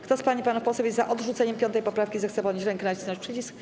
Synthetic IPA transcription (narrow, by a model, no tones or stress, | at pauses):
kt̪ɔspaɲipanufpɔsɛwʲjɛt̪zaʔɔd̪ʐut̪sɛɲɛmpʲjɔnt̪ɛjpɔpɾafkʲizɛxt̪sɛpɔɲiɕɾɛŋknat͡ɕnaʂpʂɘt͡ɕisk